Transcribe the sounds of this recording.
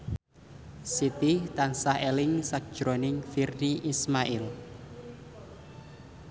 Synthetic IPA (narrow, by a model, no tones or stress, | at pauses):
sit̪it̪ansahelɪŋsak̚d̥ʒ̥ɾonɪŋfirniʔismaʔɪl